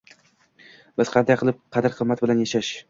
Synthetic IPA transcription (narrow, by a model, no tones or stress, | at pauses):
bɪz̥qʰɑnd̪ajqɨlˠɪp̚qʰɑd̪ɪɾqʰɨmːat̪̚bɪlanjaʃaʃ